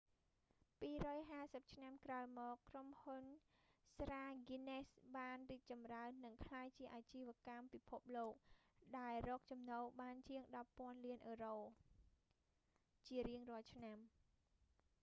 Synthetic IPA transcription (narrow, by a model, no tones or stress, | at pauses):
piːrɔːjɦaːsəp̚t͡ɕʰnamkraəjmɔːkːromhunsraːɡinesɓaːnriːk̚t͡ɕɑmraənːɨŋkʰlaːjt͡ɕiəʔaːt͡ɕiːʋɛ̆əkampipʰup̚loːk̚ɗaɛlrɔːk̚t͡ɕɑmnoːɓaːnt͡ɕiəŋɗɑpːŏənliənʔəːroː | t͡ɕiəɾiəŋrŏəlt͡ɕʰnam